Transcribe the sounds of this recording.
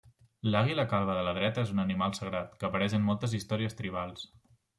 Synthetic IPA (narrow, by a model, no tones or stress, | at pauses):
laɣ̞iləkalˠβəðələðɾɛt̪əezunənimalˠsəɣɾat̪kəːpəɾɛʃəmmɔlˠt̪əzist̪ɔɾiəst̪ɾiβ̞alˠs